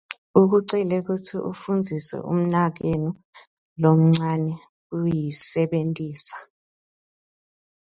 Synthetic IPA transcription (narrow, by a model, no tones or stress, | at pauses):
uk̬uǀilɛk̬utʰiʔufund͡zʱisɛ̰ʔṵm̩nak̬eni | lom̩ŋ͡ǀanɛ | ujisɛɓentʼiːsḁ